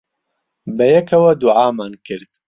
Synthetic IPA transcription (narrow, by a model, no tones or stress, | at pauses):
bɐjɛkʰɐwɐd̪uʕaːmaːnkɨɾd̪̥